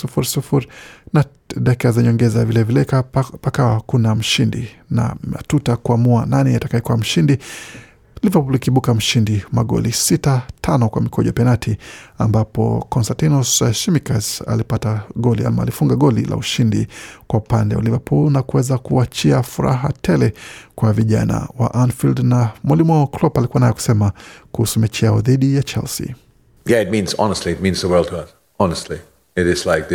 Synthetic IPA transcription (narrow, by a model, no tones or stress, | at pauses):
sufuɾisufuɾina | ɗakikazaɲɔŋɡɛzavilɛvilɛkapakawakunam̩ʃindḭna̰ma̰tutakuamuananɛjatakaɛkɔam̩ʃindi | livapulikiɓukam̩ʃindimaɠɔ̰lisitatʰanɔkwa̰mikʰɔʄa̰pɛnatʰiambapɔ̰kɔnstantinɔsʃimikasa̰lipataɠɔlia̰maːlifuŋɡaɠɔlḭla̰uʃindḭkwaupandɛṵlivapʰulnakuwɛzakuat͡ʃiafuɾa̰ɦa̰tʰɛlɛkwaviʄa̰na̰wa̰ʔanfildnamwalimɔklɔpalikuanajɛku̥sɛmakuhusumɛt͡ʃɛaɔðiɗijat͡ʃɛ̰lsḭ | jɛɨt̚mĩnzɑ̰nəstˡliɨt̚mĩnzəwɛ˞lˠtʰəʌs | ɑnəstˡli | ɪɾɪz̥laɪk̚ð